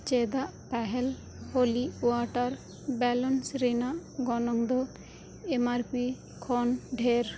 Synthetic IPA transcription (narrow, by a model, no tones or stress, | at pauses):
t͡ʃɛd̪aʔpɛɦɛl | holiwaʈaɾ | bɛlɔnsɾɛnaʔɡɔnɔŋd̪ɔ | emaɾpi | kʰɔnɖʱeɾ